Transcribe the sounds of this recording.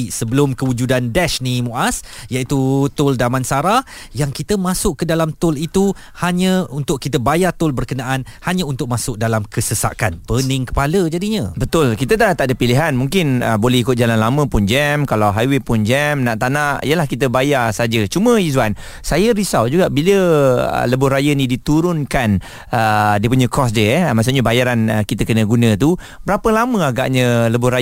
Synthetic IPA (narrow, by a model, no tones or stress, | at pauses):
səbəlʊmkəwud͡ʒudandɛʃnimoʔasjaʔit̪ut̪ʊldamãnsaɾah | jaŋkit̪əmãsʊʔkːədalamt̪ʊlit̪u | haɲə̃unt̪ʊkkːit̪̬əbajat̪ʊlbərkənaʔanhaɲãunt̪ʊk̚masʊk̚dalamkəsəsa̰kanpənɪŋkə̥paləd͡ʒadiɲə̰̃bət̪ʊlkit̪ət̪aat̪aʔdəpiliɦanmuŋkɪnəbolɛhikʊt̪̚d͡ʒalanlamə̃pʊnd͡ʒɛmkalawɦajwepʊnd͡ʒɛmnaʔt̪anãʔijəlahkit̪əbajarsad͡ʒət͡ʃumə̃izwan | sajəɾisawd͡ʒuɡaʔbiləə̰ləbʊhɾajənĩdit̪uɾʊnkan | ədiəp̬uɲə̃kɔs̬dəɛmas̬uɲəbajaɾanəkit̪əkənə̃ɡunə̃t̪u | bəɾapəlamə̃aɡa̰ʔɲə̃ləbʊhra